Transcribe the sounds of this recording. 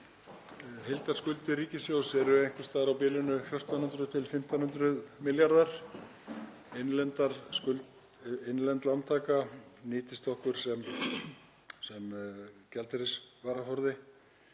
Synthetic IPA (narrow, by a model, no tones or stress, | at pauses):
ɦejlt̪ḁskʏlt̪ɪɾiːcɪsjowsɛɾʏejŋ̥kɪ̥st̪aːðɾawpɪːlɪnʏfjɔr̥t̪anhʏnt̪ɾʏt̪ʰɪlfɪm̥t̪anhʏnt̪ɾʏðmɪljaɾðaɾ̥ | enlɛnt̪aɾskʏlt̪ | ɪnlɛnt̪lant̪ʰaːkaniːt̪ɪst̪ɔhkʏɾ̥sɛm | sɛmcɛlt̪ɪɾɪsvaːɾafɔɾðɪ